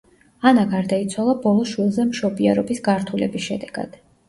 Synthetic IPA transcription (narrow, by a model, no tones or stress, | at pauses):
anaɡaɾd̪ait̪sʰwalˠabɔlˠɔʃwilˠzɛmʃɔbiaɾɔbisɡaɾt̪ʰulɛbisʃɛd̪ɛɡ̥a̰d̪̥